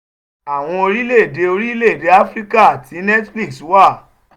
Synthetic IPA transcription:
a˨w̃ɔ̃˧o˧ɾi˦le˦˨de˨˦o˧ɾi˦le˦˨de˨˦a˦fɾi˦ka˦a˨tʰi˨˦nɛ˦tfli˦ksu˨˦wa˦˨

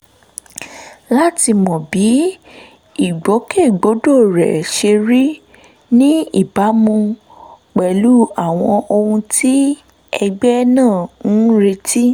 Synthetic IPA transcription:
la˦ti˧mɔ̃˨bi˨˦ | i˦˨ɡ͡bo˨˦ke˦˨ɡ͡bo˨˦do˦˨ɾɛ̰˨ʃe˧ɾi˦ | nĩ˦i˦˨ba˨˦mũ˧ | k͡pɛ˨lu˨˦a˦˨w̃ɔ̃˧ʔo˧hũ˧tʰi˦ | ɛ˧ɡ͡bɛ˦nãː˦˨˦ɾe˧ti˦

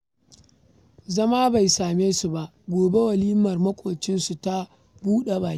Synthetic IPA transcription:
zɐ˦maː˦ba˨jsaː˨meː˦su˨ba˨ʔ | ɡʷoː˨be˦wɐ˨liː˦mɐ˨rmɐ˦kʷʼoː˨t͡ʃɪ˦nsu˨ta˦ | buː˦ɗe˨baː˨j

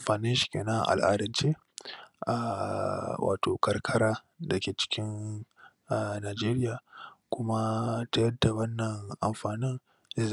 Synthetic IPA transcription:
ɸaː˨nɪ˦ʃi̥˦kʲeː˨nɐ˦ŋ̰˨ʔa̰˨lʔa̰ː˦dɐ˨nt͡ʃeː˦ | ʔa˨ | wa̰ː˨toː˨kɐ˨rkʰɐ˦ɽaː˦ | dɐ˨kʲeː˨t͡ʃɪ̥˦kʲɪ˦n | ʔa˨naː˨d͡ʒeː˦ɾɪ˦jaː˨kʷʊ˦ma˦ta˦jɐ˦da˨wɐ˦nːɐ˨ŋʔa̰˨mɸaː˨nɪ˦ŋ | e˦

